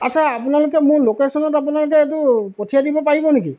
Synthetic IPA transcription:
atsʰaːpʊnalʊkɛmʊɹlokesɔnɔtapʊnalʊk̬ɛːt̬ʊpɔtʰijadibɔpaɹibɔnek̬i

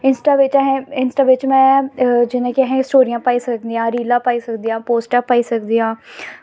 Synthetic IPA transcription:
ɪnsʈaːʋɪt͡ʃːɦɛ̃ɪnsʈaːʋɪt͡ʃmɛ̃ːd͡ʒɪnẽːkɪaɦɛ̃ːɪsʈoːɾijãːpaːiːsəkd̪iːãːɾiːlãːpaːiːsəkd̪iːãːpoːsʈãːpaːiːsəkd̪iːãː

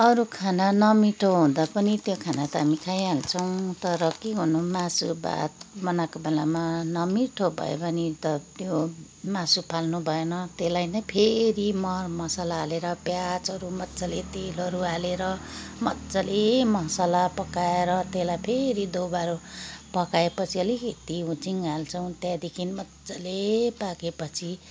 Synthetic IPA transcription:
ʌɾukʰananʌmiʈʰoɦũd̪apʌnit̪jokʰanat̪ʌɦamikʰajalt͡sʰʌw̃t̪ʌɾʌkiɦunumasuba̰t̪̚bʌnakobelamanʌmiʈʰobʱʌ̰jḛpʌnit̪ʌt̪jo | masupʰalnubʱʌenʌt̪elajnʌjpʰeɾimʌrmʌsalaːleɾʌpjat͡sʌɾumʌtt͡salet̪elʌɾualeɾʌmʌtt͡salemʌsalapʌkaeɾʌt̪elajpʰeɾid̪owbaɾopʌkaepʌt͡sʰiʌliket̪iũt͡siŋalt͡sʰʌw̃t̪jad̪ikʰinimʌtt͡sʌlepakepʌt͡sʰi

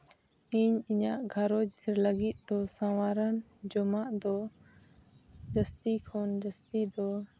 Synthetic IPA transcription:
iɲiɲaʔɡʱaɾɔd͡ʒisɛɾləɡit̪̚ˀd̪ɔsãwaɾənd͡ʒɔmaʔd̪ɔ | d͡ʒəst̪ikʰɔnd͡ʒəst̪id̪ɔ

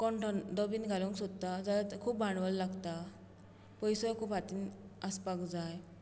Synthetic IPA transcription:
kɔɳʈənd̪ɔbinɡʱaluŋksod̪t̪ːad͡zalat̪kʰuːpbaɳʋəllaɡt̪a | pəjsəjkʰuːpɦat̪iːnəspakd͡zaj

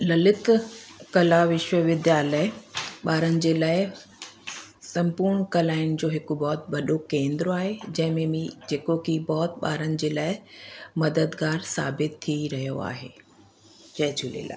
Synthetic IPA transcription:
lɐlɪt̪kɐlaʋɪʃʋəʋɪd̪jaːləɓaːɾənɪ̆d͡ʑeːlaːɪ | sɐ̃mpuːɾɽkɐlaːɪñɪ̆d͡ʑoːɦɪkʊbɔːt̪̚ʋɐɗokẽːnd̪ɾoaːɦed͡ʑɐ̃ɦɪ̃mẽmĩd͡ʑeːkokibɔːt̪ɓa̰ːɾənɪ̆d͡ʑeːlaːɪmɐd̪əd̪ɡaːɾsaːbɪt̪ʰːiɾɐɦijo̰a̰ːɦḛː | t͡ɕɐːd͡ʑʰʱulḛːla̰ː

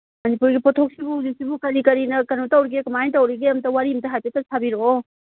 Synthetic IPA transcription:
mɐnipuɾɡipɔtʰok̚sibuzisibukɐɾikɐɾinɐkɐnotawɾiɡekɐmajntɐwɾiɡeɐmtɐwaɾimtɐɦajtetɐsʰabiɾo

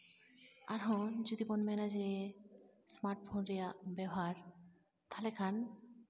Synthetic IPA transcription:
aɾɦɔ̃d͡ʑud̪ibɔnmɛnad͡ʑe | smaɾʈpʰonɾeabɛɦaɾ | t̪ʰalekʰan

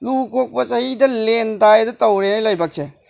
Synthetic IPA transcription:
lukʰok̚pɐsɐhidɐlentajdɐtɐwɾenajlɐjbak̚se

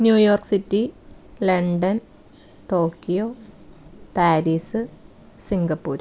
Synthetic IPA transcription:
njuːjo̞ːrksitːilɐɳɖɐn | ʈoːkːijoː | paːɾiːsɨ | siŋɡɐpːuːɾ

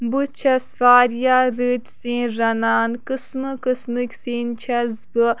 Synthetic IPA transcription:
but͡ʃʰɐsfaːɾjaːɾɨt̪sĩːnɾɐnaːnkɨsmɨkɨsmɨkʲsiːnt͡ʃʰɐzbɨ

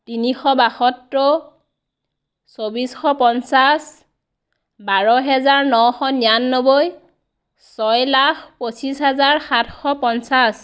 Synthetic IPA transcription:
tinixɔbaxɔtːɔ | sobisxɔpɔnsas | baɹɔɦɛzaɹnɔwxɔnianːoboj | sɔjlaxposisɦɛzaɹxatʰxɔpɔnsas

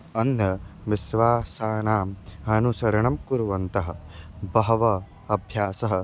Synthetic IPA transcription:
ɐnːɐʋisʋaːsaːnaːmɐnusɐɾɐɳɐmkuɾuʋɐnt̪ɐɦɐ̆bɐɦɐʋɐ | ɐbʱjaːsɐɦɐ̆

